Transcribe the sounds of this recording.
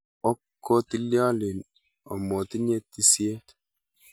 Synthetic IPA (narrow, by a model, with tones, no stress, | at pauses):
ɔ˦kːo˦t̪i˦ljɔ˦lɪ˨n | o̰˨mo˨t̪i˦ɲe˦t̪i˦sje˦